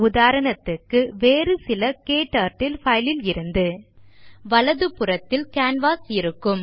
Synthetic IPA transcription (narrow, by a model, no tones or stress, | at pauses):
ʊðaːɾɐɳɐt̪ːɯkːɯʋeːrɯsɪlɐkeːʈːaːɾʈːɪlfɐjlɪlɪɾɯnd̪ɯ | ʋɐlɐðɯpɯrɐt̪ːɪlkaːnʋaːsɪɾɯkːɯm